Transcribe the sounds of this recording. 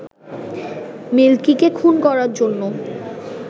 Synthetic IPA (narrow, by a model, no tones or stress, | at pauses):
melkikekʰunkɔɾaɾd͡ʑonːo